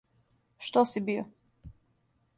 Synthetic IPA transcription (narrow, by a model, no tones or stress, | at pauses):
ʃt̪osibio